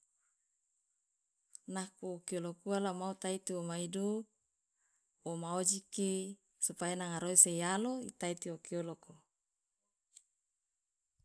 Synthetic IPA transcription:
nakuokiolokualamaut̪ait̪iomaidu | womaod͡ʒiki | supajanaŋaɾoiseialoḭt̪ait̪iokioloko

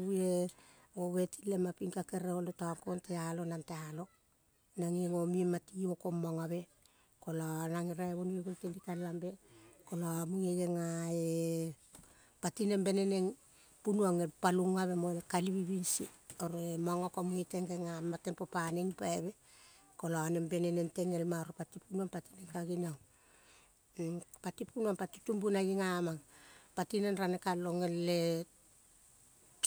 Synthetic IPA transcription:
ue | oβe̞ti̥lemapiŋkake̞ɾeolotakontealo̞nantealo̞ | naŋiŋo̞miematioko̞maŋaβe̞ | kolanaŋiɾaeβonueɡontendikallambe̞kolamuŋeɡe̞ŋae | patine̞mbe̞ne̞ne̞ŋ | punuaŋepaluŋaβemoekaliβiβinsḭoɾemaŋokamuŋite̞ŋɡeŋamatenpopaneŋpaeβe̞ | koloanembe̞nene̞nte̞ŋelmaoɾepatipunuanpatineŋkaɡinaw | patipunuanpatutumbunaɡiŋamaŋpatinenɾanekaloŋelːe

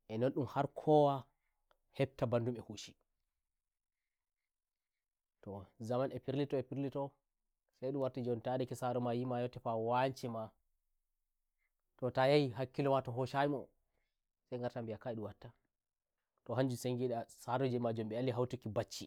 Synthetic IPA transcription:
ʔɛnɔnɗumhaɾkʰɔwa | hɛb̚tabandumɛhuʃi̥ | tɔzamanɛpiɾlitɔɛpiɾlitɔ | sajɗumwaɾtid͡ʒɔntadɛkɛsaɾɔmajimajɔtːɛfawaɲt͡ʃɛma | tɔtajajiɦakːilɔmatɔɦɔʃajimɔ | sajŋɡaɾtambijakaiɗuwatːa | tɔɦaɲd͡ʒuseŋɡiɗasaɾɔd͡ʒɛmad͡ʒɔmɓɛalːiɦawtukibat͡ʃːi

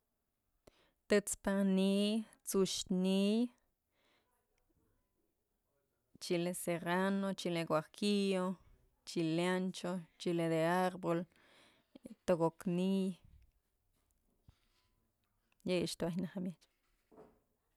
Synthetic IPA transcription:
t̪ɨt͡spani | t͡suʃnij | t͡ʃileseɾanot͡ʃileɡwakijo | t͡ʃilant͡ʃot͡ʃiled̪eaɾbol | t̪oɡoknij | jejʃt̪wahnahamjet͡ʃ

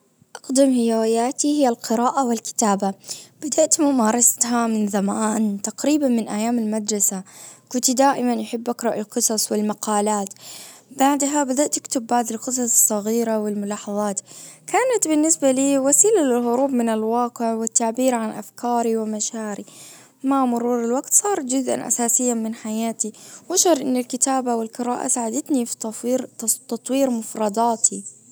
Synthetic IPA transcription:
ʔaqd̪ɪmhɪjawɪjaːt̪ihɪjːalqɪɾaːʔawɪlkɪ̥t̪aːbab̥ad̪aʔt̪mʊmɑːɾˤɑst̪hamɪnðamaːnt̪aqɾiːbanmɪnʔajːaːmɪlmad̪ɾˤɑsakʊnt̪id̪aːʔɪmanjħɪbːʔakɾˤɑʔɪlqɨsˤɑsˤwɪlmɑqɑːlaːt̪baʕd̪ɦabad̪aʔt̪ʔɪkt̪ʊbːaʕd̪ɪlqɨs̬ˤɑsˤsˤːɑɣiːɾawɪlmʊlɑːħɑðˤɑːt̪kaːnat̪bɪnːɪsbaliːwasiːlalɪlɦʊɾuːbmɪnɪlwɑːqɪʕwɪt̪ːaʕbiːɾʕanʔafkɑːɾiwɪmaʃaːɾi | mamʊɾuːɾɪlwaɡt̪sˤɑːɾˤd͡ʒʊzʔa̰nʔa̰saːsɪjːamɪnħajaːt̪iwʔaʃhɑɾˤʔɪ̰nːɪlkɪt̪aːbawɪlkɑɾaːʔa̰saːʕad̪at̪nifi̥ɾt̪ɑt̪ˤwiːɾmʊfɾˤɑd̪ˤɑːt̪ʰi

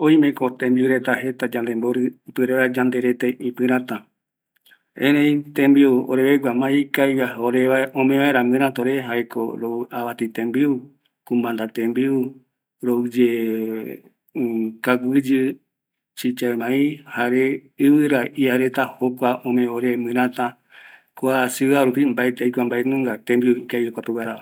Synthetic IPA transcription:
oĩmẽkot̪ẽmbiuɾet̪aɦe̞t̪ad͡ʒand̪emboɾɨpɨɾead͡ʒand̪eɾet̪eʔĩpɨ̃ɾãt̪ã | ẽɾẽĩt̪ẽmbiuo̰ɾeβeɡʷamãikaijaɦaoɾeʋaõmẽʋaeɾãmɨ̃ɾ̃ãt̪oɾeɦaeko̰ɾoaβat̪it̪ẽmbiu | kũmband̪at̪ẽmbiu | ɾoud͡ʒe | kaɡɨd͡ʒɨ | t͡ʃit͡ʃaemãĩhaɾeɨβɨɾaʔiaɾet̪ahokʷaõmẽoɾemɨ̃ɾ̃ãt̪ã | kwasɨaɾupimbaet̪ejkʷambaenũŋɡat̪ẽmbiuikaiɾokʷat̪uwaɾaa

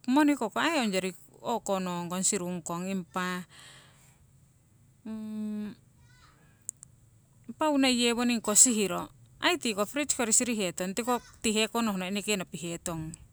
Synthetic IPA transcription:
monikokoaeond͡ʒaɾi | okonoŋɡonsiɾuŋkoŋimpa | paunaijeβoniŋkosiɦiɾoajt̪ikofɾit͡ʃkoɾisiɾiɦet̪oŋt̪ikot̪iɦekonoɦnainikenapiɦet̪oŋ

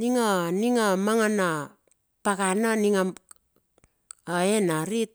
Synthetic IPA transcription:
niŋoniŋamaŋana | pakananiŋa | aenaɾit̚

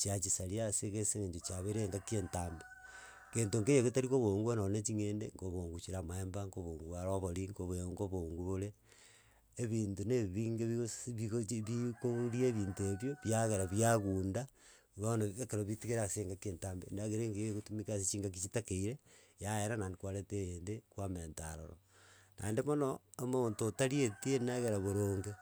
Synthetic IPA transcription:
t͡ʃiat͡ʃisaɾiaseɣeseŋeɲd͡ʒot͡ʃaβeɾeŋɡakentaːmbe | keːntoŋɡejekotaɾikoβoŋɡuanonet͡ʃiŋeːndeŋɡoβoːŋɡut͡ʃiɾamaembaŋɡoβoːŋɡuaɾoβoɾiŋɡoβoŋɡoβoːŋɡuβoɾeː | βiːntuneβiŋɡeβiβiβikoɾieβiːntueβjoβjaɣeɾaβjaɣuːnda | βanoekeɾoβitiɣeɾaseːŋɡakeːntambḛnaɣeɾeŋɡeeɣutumikasit͡ʃiːŋɡak̬it͡ʃitakeiɾe | jaeɾanandekwaɾetejendekwameːntaɾo̰ɾo̰ | na̰endemonoomontotaɾietienaɣeɾaβoɾoːŋɡe

